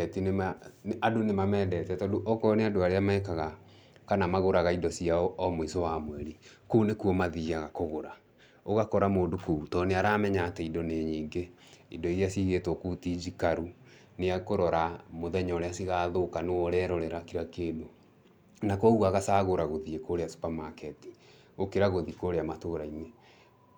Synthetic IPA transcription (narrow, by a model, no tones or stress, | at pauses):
ɛtinemaadonemamɛdɛtɛtɔdoʔɔkɔneadoaɾeamaɛkaɣa | kanamaɣoɾaɣaidɔsiaɔɔmoisɔwamwɛɾikounekuɔmaðiɣaɣakoɣoɾa | oɣakɔɾamoːndokoutɔːneaɾaːmɛɲaːtɛidɔneɲiːŋɡe | idɔiɾeasiɣetɔkutid͡ʒikaɾu | neakoɾɔɾamoðɛɲɔːɾeasiɣaːðokaneɔɾɛːɾɔɾɛɾakiɾakeːdo | nakɔɣuaɣasaːɣoɾaɣoðiekoɾeasu̥pamakɛti̥ | okeɾaɣoðikoːɾeamatoɾaine